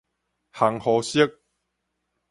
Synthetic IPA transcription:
ha˨ŋhɔ˨˧˦ɕi˦k̚

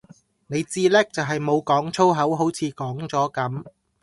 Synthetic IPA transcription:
ne˨˧jt͡siː˥lɛː˥k̚t͡sɐ˨wɦɐ˨jmo˨˧wkɔː˨˥ŋt͡sʰo˥wɦɐ˨˥wɦo˨˥wt͡sʰiː˨˧kɔː˨˥ŋt͡sɔː˨˥kɐ˨˥m

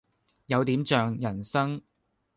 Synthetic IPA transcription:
jɐ˨˧wt̪iː˨˥mt͡ʃœː˨ŋjɐ˨˩nsɐ˥ŋ

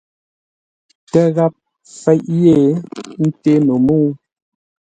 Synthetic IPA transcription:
tə˦ɣa˦p̚ | fɛ˦ʔje˦˨n̩˦te˦no˨muː˦

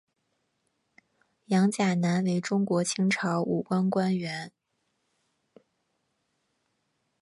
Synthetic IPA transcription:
jɑ˧˥ŋt͡ɕja˨˩na˧˥nwe˧˥ɪʈ͡ʂʊ˥ŋkwɔ˧˥t͡ɕʰi˥ŋʈ͡ʂʰɑ˧˥ʊʔṵ˨˩kwa˥nkwa˥nɥɛ˧˥n

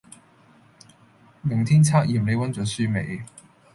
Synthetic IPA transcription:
mɪ˨˩ŋt̪ʰiː˥nt͡sʰaː˥k̚jiː˨˩mle˨˧jwɐ˨˥nt͡sœː˨˥syː˥me˨˧j

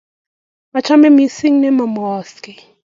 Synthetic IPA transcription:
ma˨t͡ʃʰa˦mɛ˦mi˨si˦ŋnɛ˦ma˨m˨ɔ˦ski˨

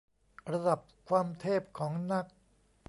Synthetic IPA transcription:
ɾa˧da˨˩p̚kʰwaː˧mt̪ʰeː˥˩p̚kʰɔː˩˦ŋna˦˥k̚

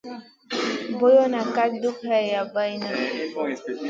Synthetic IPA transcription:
bo˦jɔ˦na˨ka˦du˦pɦa˦˨ja˨ba˦i˦na˦

